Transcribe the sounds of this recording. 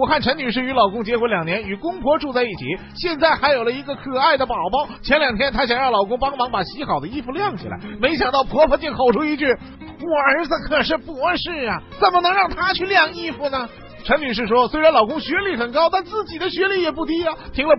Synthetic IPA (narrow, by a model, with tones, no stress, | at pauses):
wɔ˨˩xa˥˩nʈ͡ʂʰə˧˥nny˨˩ʂɻ̩˥˩y˧˥lɑ˨˩ʊkʊ˥ŋt͡ɕjɛ˧˥xwɔ˧˥ljɑ˨˩ŋnjɛ˧˥ny˨˩kʊ˥ŋpʰwɔ˧˥ʈ͡ʂu˥˧t͡sa˥˧ɪi˥˩t͡ɕʰḭ˨˩˦ | ɕjɛ˥˧nt͡sa˥˩ɪxa˧˥ɪjo˨˩ʊlə˦i˧˥ɡə˧kʰɤ˨˩a˥˩ɪd̪ə˩pɑ˨˩ʊpɑ˥ʊt͡ɕʰjɛ˧˥nljɑ˨˩ŋt̪ʰjɛ˥nt̪ʰa˥ɕjɑ˨˩ŋɻɑ˥˩lɑ˨˩ʊkʊ˥ŋpɑ˥ŋmɑ˧˥ŋpa˨˩ɕi˧˥xɑ˨˩ʊd̪ə˦i˥fu˧ljɑ˥˩ŋt͡ɕʰḭ˨˩la̰˧˥ɪme˧˥ɪɕ̬jɑ˨˩ŋt̪ɑ˥˩ʊpʰwɔ˧˥pʰə˧˥t͡ɕi˥˩ŋxo˨˩ʊʈ͡ʂʰu˥i˧˥t͡ɕy˥˩ | ɔ˨˩ə˞˧˥t͡sə˧˩kʰɤ˨˩ʂ̬ɻ̩˥˧pu˧˩ə˥˧ʂɻ̩˥˩ɐ˩t͡sə˨˩nmə˦nɤ˧˥ŋɻɑ˥˩ŋt̪ʰa˥t͡ɕʰy˥˧ljɑ˥˩ŋi˥fu˨˩nə˩ | ʈ͡ʂʰə˧˥ny˨˩ʂ̬ɻ̩˥˩ʂwɔ˥swe˥ɪɻa˧˥nlɑ˨˩ʊkʊ˥ŋɕɥɛ˧˥li˥˩xə˨˩nkɑ˥ʊt̪a˥˧nt͡sɹ̩˥˩t͡ɕi˨˩d̪ə˦ɕɥɛ˧˥li˥˩jɛ˨˩p̬u˥˩t̪i˥ɐ˨t̪ʰi˧˥ŋlə˧